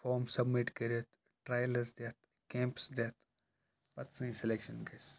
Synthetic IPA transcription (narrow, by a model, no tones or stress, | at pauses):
foːmsɐbmiʈkɐɾət̪ʰ | ʈɾaːjlɐɾsd̪et̪̚ | kẽːmpsd̪et̪ʰ | pɐt̪sɨ̃ĩselekʃɐnɡɐs